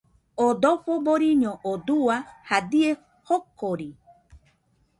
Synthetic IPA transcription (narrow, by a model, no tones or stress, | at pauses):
od̪oɸoboɾiɲoʔod̪uahad̪ie | hokoɾi